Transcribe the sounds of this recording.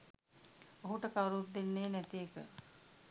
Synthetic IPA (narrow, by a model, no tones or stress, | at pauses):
oɦuʈəkawɾut̪̚d̪enːeːnæt̪ijekə